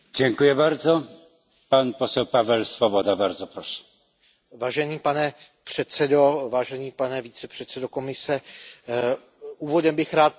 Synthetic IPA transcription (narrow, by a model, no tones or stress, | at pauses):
d͡ʑɛŋkujɛbaɾd̪zɔ | panpɔsɛwpavɛlsfɔbɔd̪abaɾd̪zɔpɾɔʃɛ̥ | vaːʒɛniːpanɛ | pr̝̥ɛt̪sɛdovaːʒɛniːpanɛvit͡sɛpr̥ɛt̪sɛdokomɪsɛ | uːvodɛmbɪxɾaːt̪̚